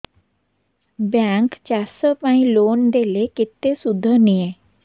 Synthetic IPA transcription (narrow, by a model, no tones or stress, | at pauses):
bjãŋkt͡ɕasəpãĩlond̪elekit̪ːesud̪ʱːənije